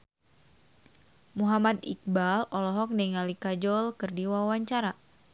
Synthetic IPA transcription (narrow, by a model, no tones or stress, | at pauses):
muɦamat̪ḭk̚balɔlɔɦɔk̚nɛŋalikad͡ʒɔlkɨrdiwawaɲt͡ʃaɾa